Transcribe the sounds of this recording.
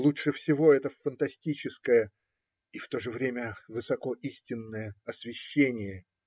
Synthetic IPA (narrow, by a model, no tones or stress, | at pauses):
lˠutʂɨfsʲɪvo̞ɛt̪əfənt̪ɐsʲtʲit͡ɕɪskəjə | ift̪o̞ʐɨvɾʲemʲəvɨsɐko̞ʔisʲtʲɪnːəjəɐsvʲɪɕːenʲɪjə